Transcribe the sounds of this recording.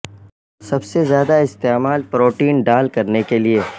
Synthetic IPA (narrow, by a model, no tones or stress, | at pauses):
sɐbsezjaːd̪aɪst̪eːmaːlpɾoːʈiːnɖaːlkɐɾnekelie